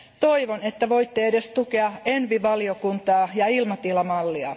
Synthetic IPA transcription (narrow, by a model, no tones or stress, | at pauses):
t̪o̞iʋone̞t̪ːæʋo̞jt̪ːeede̞st̪ukeɑe̞nʋiʋɑliokunt̪ɑːjɑilmɑt̪ilɑmɑlːiɑ